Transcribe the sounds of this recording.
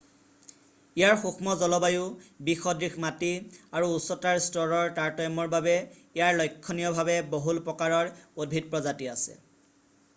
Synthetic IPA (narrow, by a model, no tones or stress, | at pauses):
ijaɹxuxmɔzɔlɔbajʊbixɔdɹixmatiaɹuːsɔtaɹstɔɹɔɹtaɹtɔjmɔɹbabɛ | ijaɹlɔjkʰːɔnijɔbʱabɛboɦulpɹɔkaɹɔɹod̚bʱid̚pɹɔzatiasɛ̰